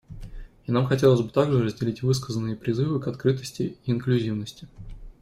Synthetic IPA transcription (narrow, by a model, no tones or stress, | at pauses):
inamxɐtʲelˠəzʲbɨt̪aɡʐɨɾəzʲdʲɪlʲitʲvɨs̬kəzənːɨjəpɾʲɪzɨvɨkɐt̪kɾɨt̪əsʲtʲɪiːnklʲʉzʲivnəsʲtʲɪ